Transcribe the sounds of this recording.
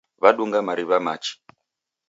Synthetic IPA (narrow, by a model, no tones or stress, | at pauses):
βaɗuŋɡamaɾiβama̰t͡ʃi̥